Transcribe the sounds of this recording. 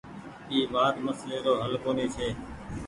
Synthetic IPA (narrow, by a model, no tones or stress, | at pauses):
iːʋaːt̪məsleːɾoːɦəlkoːneːt͡ʃʰeː